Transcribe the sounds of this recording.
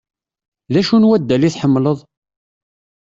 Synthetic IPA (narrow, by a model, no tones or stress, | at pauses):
ðæʃunwæd̪ːæliθħəmːləðˤ